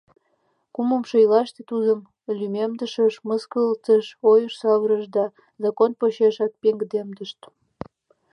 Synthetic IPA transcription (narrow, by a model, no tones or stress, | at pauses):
kuməmʃəjlɑʃt̪et̪ud̪əm | lʲymemd̪əʃəʃməskəlt̪əʃojəʃsɑβɾəʃd̪ɑ | zɑkonpoɕeʃɑk̚peŋɡd̪emd̪əʃt̪